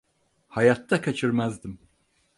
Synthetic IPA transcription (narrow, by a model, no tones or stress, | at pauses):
hɑjɑt̪ːakʰat͡ʃʰiɾmæzd̪im